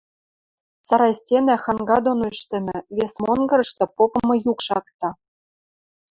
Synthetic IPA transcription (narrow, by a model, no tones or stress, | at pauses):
sɑɾɑjsʲtʲenæxɑŋɡɑd̪onoyʃt̪ɘ̆mɘ̆βesmonɡɤ̆ɾɤ̆ʃt̪ɤ̆popɤ̆mɤ̆jukʃɑk̚t̪ɑ